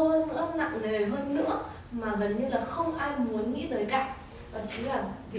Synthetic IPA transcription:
həː˧nːɨ̰˧˥əna̰˧˨ŋne˨˩ɦəː˧nːɨ̰˧˥ə | maː˨˩ɣə˨˩nɲɨ˧laː˨˩xə˧wŋ͡mʔaː˧jmu˨˦ənŋḭ˧˥vəː˨˦jka̰˧˨jk̚ | ʔəː˨˩t͡ɕi˨˦laː˨˩v

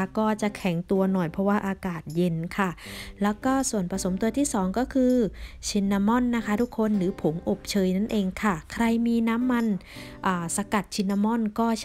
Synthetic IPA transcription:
kɔː˥˩t͡ɕa˨˩ʔkʰɛ˩˦ŋt̪u˧ɐnɔ˨˩jpʰɔ˦˥waː˥˩ʔaː˧kaː˨˩t̪̚je˧nkʰa˥˩lɛː˦˥wkɔː˥˩su˨˩ənpɾa˧so˩˦mt̪u˧ɐt̪ʰiː˥˩sɔː˩˦ŋkɔː˥˩kʰɯː˧t͡ɕʰi˧nːa˧mɔ˥˩˨nːa˦˥kʰa˦˥t̪ʰu˦˥kʰːo˧nɾɯː˩˦pʰo˩˦mʔo˨˩p̚t͡ɕʰɤː˧jna˥˩nʔeː˧ŋkʰa˥˩kʰɾa˧jmiː˧naː˦˥mːa˧n | ʔaː˨˩sa˧ka˨˩t̪̚t͡ɕʰi˧nːa˧mɔ˥˩nkɔː˥˩

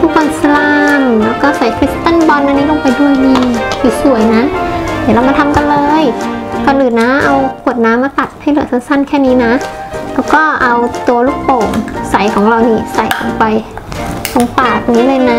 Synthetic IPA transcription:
t̪ʰu˦˥˩k̚wɔː˧nsa˧laː˧nlɛː˦˥wkɔː˥˩sa˨˩˦jkʰɾi˦˥st̪a˥˩˨nbɔː˧nʔa˧niː˦˥t̪ɔː˥˩pa˧jduː˧˩diː˧tiː˨˩su˨˩˦ə˦jna˦˥d̪ɛː˧˩˦ɾa˧wma˧nt̪ʰa˧mka˧nlɤː˧jkɔː˧˩nʔɯː˨˩nːaː˦˥mʔa˧wkʰu˨˩ət̪̚naː˦˥mʔa˧ka˨˩t̪̚ha˥˩jlɯ˨˩˦sʰa˧˥˦nsa˥˩˨nkʰɛː˥˩niː˦˥na˦˥ʔlɛː˦˥wkɔː˥˩ʔa˧wt̪u˧ɐluː˦˥˩k̚poː˨˩ŋsa˨˩˦jkʰɔː˨˩˦ŋɾa˧wniː˦˥˩sa˨˩˦jʔɔ̰˧˨˩ŋpa˧jkʰo˨˦ŋpaː˨˩k̚ŋiː˦˥lɤː˧jna˦˥

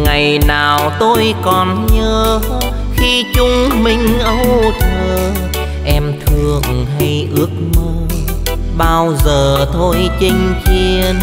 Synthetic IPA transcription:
ŋa˨˩jnaː˨˩wt̪o˧jkɔ˨˩nɲəː˧ | xi˧t͡ɕʊ˧ŋ͡mmï˨˩ŋ̟ʔə˧wwt̪ʰəː˨˩ | ʔɛ˧mt̪ʰɨ˧˩əŋɦa˧jʔɨ˦˥ək̚mə˧ | ɓaː˧wzəː˨˩t̪ʰo˧jt͡ɕï˧ŋ̟t͡ɕi˧əən

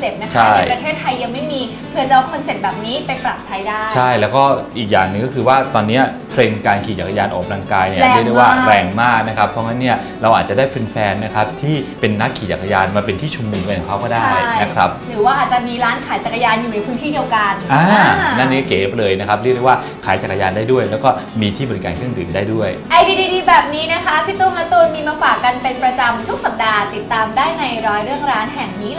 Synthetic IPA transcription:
se˨˩p̚na˦˥kt͡ɕʰa˦˥˩jpɾa˧t̪ʰeː˥˩t̪ʰːa˧jːa˧ŋma˥˩jmiː˧ | pʰɯ˨˧ɐt͡ɕa˨˩ʔkʰɔ˧nse˨˩p̚bɛː˨˩p̚niː˦˥pa˧jpɾa˨˩p̚t͡ɕʰa˦˥jdaː˥˩t͡ɕjʰa˥˩jlɛ˦˥wkɔː˥˩ʔiː˨˩k̚jaː˨˩ŋnɯ˨˩ŋkɔː˥˩kʰɯː˧waː˥˩t̪ɔː˧nːi˦˥ɐ | p̪ʰɾe˧ŋkaː˧nkʰiː˨˩t͡ɕa˨˩ka˧jaː˧nʔɔ̰ː˨˩k̚ɾaː˧ŋkaː˧jni˥˩ɾ̚dwaː˥˩˥bɛː˨˩ŋmaː˥˩k̚na˦˥kʰɾa˦˥pʰɾɔ˦˥ŋa˦˥nːi˥˩ɐ | ɾa˧wʔaː˨˩t͡ɕa˨˩daː˥˩jpʰɯ˧nfɛː˧nːa˦˥kʰɾa˦˥p̚t̪ʰiː˥˩pe˧nːa˦˥kʰːiː˨˩t͡ɕa˨˩kʰːa˧jaː˧nmaː˧pe˧nt̪ʰiː˥˩t͡ɕʰu˧mnɯ˨˧˩ŋka˧njʰa˨˩kʰa˦˥wkɔː˥˩daː˥a˥˩jjna˦˥kʰɾa˦˥p̚ɾɯː˩˦waː˥˩ʔaː˨˩t̪̚t͡ɕa˨˩miː˧ɾaː˦˥nkʰaː˩˦jt͡ɕa˨˩kːa˧jaː˧njuː˨˩na˧jpʰɯː˦˥nt̪ʰiː˥˩di˧əwka˧nʔaː˧naː˥˩ni˦˥˩keː˨˦˩p̚lɤː˧jna˦˥kʰa˦˥p̚li˥˩k̚de˥˩waː˥˩ | kʰaː˩˦jt͡ɕaː˨˩kːa˧jaː˧ndaː˥˩jdu˥˩əjlɛː˦˥wkɔː˥˩ | miː˧t̪ʰiː˥˩bɔ˨˩ɾi˦kaː˧nkʰɯ˥˩əŋt̪ɯː˨˩ndaː˥˩jdu˥˩əjʔa˧jdiː˧diː˧diː˧bɛː˨˩p̚niː˦˥na˦˥kʰa˦˥pʰi˦˥t̪oː˥˩mlaː˦˥t̪oː˧nmiː˧maː˧faː˨˩kːa˧npe˧npɾa˧t͡ɕa˧mt̪ʰu˦˥k̚sa˨˩p̚daː˧t̪i˨˩t̪ːaː˧mdaː˥˩jna˧jɾɔː˧jɾɯ˥˩əŋɾaː˦˥nɦɛ˨˩ŋniː˦˥

